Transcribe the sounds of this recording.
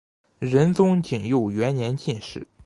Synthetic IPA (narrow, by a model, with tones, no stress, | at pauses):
ɻə˧˥nt͡sʊ˥ŋt͡ɕi˨˩ŋjo˥˩ʊɥɛ˧˥nnjɛ˧˥nt͡ɕi˥˧nʂɻ̩˥˩